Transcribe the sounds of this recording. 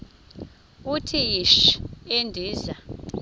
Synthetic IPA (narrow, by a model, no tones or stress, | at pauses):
utʰijiʃendʱiːza